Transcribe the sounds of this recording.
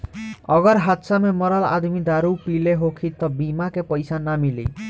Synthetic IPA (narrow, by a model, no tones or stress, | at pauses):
əɡəɾɦat̪samemɔɾala̰d̪mid̪aɾupileɦokʰit̪ːɔbimakepəjsanamilḭ